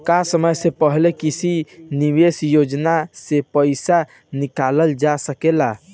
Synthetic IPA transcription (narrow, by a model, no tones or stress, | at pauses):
kasəməjsẽpəɦlekisʰiniʋesjod͡ʒnasepəɪsa | nikaləld͡ʒasəkela